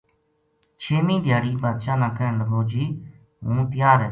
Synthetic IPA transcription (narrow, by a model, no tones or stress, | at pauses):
t͡ʃʰeːmĩːd̪ʱjaːɽiːbaːt̪ʃãːnãːkʰəːɳləɡoːd͡ʒiː | ɦũːt̪ɪjaːɾɛː